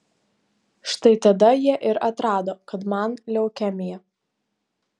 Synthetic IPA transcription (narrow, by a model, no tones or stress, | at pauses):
ʃt̪ɐɪt̪ɐd̪ɐjiɛʔɪɾɐt̪ɾɑːd̪oːkɐt̪mɐnlʲɛʊkʲæmʲɪjɛ